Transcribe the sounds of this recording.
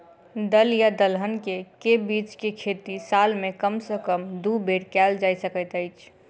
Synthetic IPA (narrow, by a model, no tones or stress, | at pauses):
d̪əljad̪əlɦənkekebiːt͡ʃkekʰeːt̪isalmẽkəmsəkəmd̪ubʱeɾkɛld͡ʒaːisəkət̪əɪt͡ʃʰ